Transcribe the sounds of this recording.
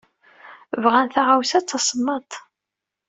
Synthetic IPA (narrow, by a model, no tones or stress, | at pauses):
vʁænθaʁawsæt͡sːɑsˤəmːɑt̪ˤ